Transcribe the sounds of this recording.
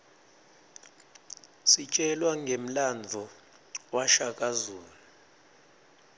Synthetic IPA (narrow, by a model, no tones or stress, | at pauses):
sit͡ʃʼɛlwaŋɡʱem̩land͡zʱɔ | waʃakʼazuːlu